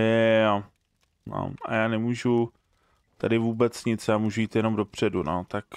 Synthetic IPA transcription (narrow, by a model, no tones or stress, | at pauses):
ɛ | no̰ʔa̰jaːnɛmuːʒu | t̪adɪvuːbɛt͡sɲɪt͡sjaːmuːʒujiːt̪jɛno̞mdo̞pr̝̥ɛduno̰t̪ak